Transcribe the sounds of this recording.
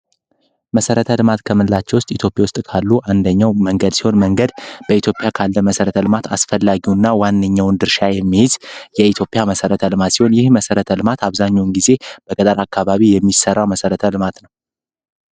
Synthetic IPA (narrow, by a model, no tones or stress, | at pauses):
məsəɾət̪ʰəlɨmat̪kʰəmɨlːat͡ʃːɛwʊst̪ʼit̪ʰjo̞pʼjawʊst̪ʼkʰalːuʔand̪əɲːawməŋɡəd̪si̥ho̞nməŋɡəd̪b̥əit̪ʰjo̞pʼɪjakʰalːəməsəɾət̪ʰəlɨmat̪ʰa̰sfəlːaɡiwnːawanːɨɲːawnd̪ɨɾʃajɛmːihɪzjɛit̪ʰjo̞pʼjaməsəɾət̪ʰəlɨmat̪siho̞njɪhməsəɾət̪ʰəlɨmat̪ʰaβzaɲːawnɡize̞b̥əkʼət̪ʼəɾakʰːaβaβijɛmːisərːawməsəɾət̪ʰəlɨmat̪nəw